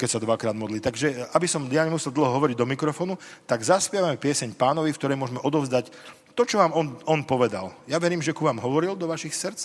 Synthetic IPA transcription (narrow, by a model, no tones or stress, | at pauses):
kɛcsad̪ʋakɾaːd̪mɔd̪lit̪aɡʒɛabisɔmjaɲɛmusɛlˠd̪l̩ɦɔɦɔʋɔɾiɟd̪ɔmikɾɔfɔːnut̪aɡzaspɪjɛʋamɛpɪɛsɛɲpaːnɔʋifk̚t̪ɔɾɛjmʊɔʒmɛʔɔd̪ɔʊzd̪ac | t̪ɔt͡ʃɔʋaːmɔnɔnpɔʋɛd̪a̰ljaʋɛɾiːmʒɛkuʋaːmɦɔʋɔɾild̪ɔʋaʃixsɾt͡s